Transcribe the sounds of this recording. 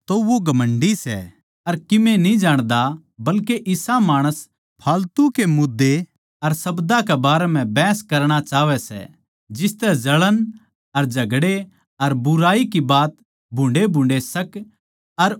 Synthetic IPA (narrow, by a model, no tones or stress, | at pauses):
t̪oʋoɡɐmə̃ɳɖisɛ̰ | ɐɾkɪmẽnĩd͡ʒaːɽ̃d̪a | bɐlkeʔɪsamaːɽ̃əs | pʰaːlt̪ukemʊd̪ːe | ɐɾsɐbd̪akɛbaːɾɛm̤ɛ̃bɛːskɐɾɽ̃at͡ʃaːʋɛsɛ̰ | d͡ʒɪst̪ɛd͡ʒɐɭən | ɐɾd͡ʒʱɐɡɽe | ɐɾbʊɾaːikibaːt̪ | bʱʊ̃ɳɖebʱʊ̃ɳɖesɐk | ɐɾ